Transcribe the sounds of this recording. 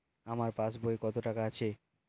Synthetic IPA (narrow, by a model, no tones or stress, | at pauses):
amaɾpat͡ɕbʱoekɔt̪oʈakaat͡ɕʰe